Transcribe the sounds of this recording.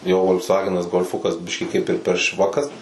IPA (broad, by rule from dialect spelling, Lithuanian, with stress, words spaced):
jɛʊ ʋoːlʲksˈʋɑːɡʲɛnɐs ɡoːlˠˈfʊkɐs ˈbʲɪʃʲkʲiː kɐɪp ɪr pʲɛr ˈʃʋɑːkɐs